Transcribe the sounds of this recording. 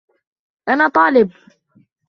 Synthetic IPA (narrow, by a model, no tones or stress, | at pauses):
ʔanaːt̪ˤɑːlɪb̚